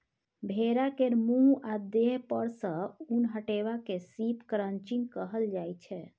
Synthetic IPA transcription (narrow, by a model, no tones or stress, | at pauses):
bʱeɾakeɾmũɦad̪eɦpəɾsə̃unɦəʈeβakesipkɾənt͡ʃinkəɦəld͡ʒajt͡ʃʰɛ